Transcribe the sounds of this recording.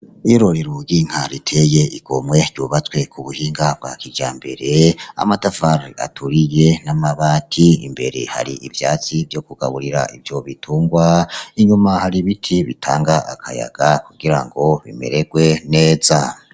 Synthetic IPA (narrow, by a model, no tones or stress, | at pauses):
iɾoɾiɾuɡiŋ̥haɾitʰeje̞iɡ̥omwe̞ɾɟuβat͡swe̞kʰuβuhiːŋɡab̚ɡa̰kiɟaːmbe̞̰ɾe̞a̰matafaɾa̰tuɾije̞namaβaːtʰiḭmbe̞ɾe̞̰ha̰ɾḭivjaːt͡sivjo̞kuɡ̥a̰βuɾiɾa̰ʔivjo̞βitʰuːŋɡwaiɲumahaɾiβitʰiβitʰa̰ːŋɡaʔakʰa̰ja̰ɡ̥akuɡ̥iɾa̰ŋɡo̞βḭme̞̰ɾe̞ɡ̥we̞ne̞ːza